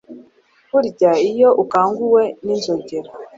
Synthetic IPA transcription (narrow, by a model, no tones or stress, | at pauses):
kuɾɟaijo̞ʔukaːŋɡuwe̞ninzoɟeɾa